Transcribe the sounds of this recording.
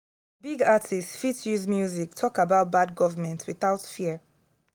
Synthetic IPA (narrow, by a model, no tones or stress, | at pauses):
biɡatʰistfitʰjuzmjuzik̚tʰɔkabaʊt̚bad̚ɡɔvəmɛ̃ntʰwiθaʊtfiə